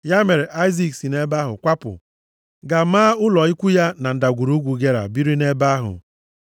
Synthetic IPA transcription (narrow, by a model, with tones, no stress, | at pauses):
ja˦me˨ɾe˨ʔa˦jzi˦˨ksi˨ne˦ba˦ɦʊ̰˨kʷa˦pʊ̰˨ | ɡa˨maː˦ʊ˦lɔ˨i˦kʷu˦ja˦na˨n̩˨da˨ɡʷu˨ɾu˦ɡʷu˨ɡe˦ɾa̰˨bi˦ɾi˦ne˦ba˦ɦʊ̰˨